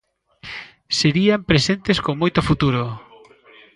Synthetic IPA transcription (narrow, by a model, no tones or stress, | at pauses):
seɾiampɾesent̪eskoŋmːojt̪ofut̪uɾo